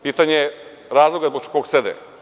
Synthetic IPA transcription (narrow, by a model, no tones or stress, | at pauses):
piːt̪aɲeje | ɾaːzlˠoɡazboɡ̚t͡ʃkoɡsed̪ḛ